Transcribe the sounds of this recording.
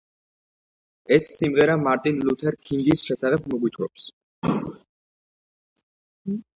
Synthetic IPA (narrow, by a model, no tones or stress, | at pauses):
ɛsːimʁɛɾamaɾt̪ʼinlut̪ʰɛɾkʰiŋɡisʃɛsaʁɛb̚mɔɡwit̪ʰwɛps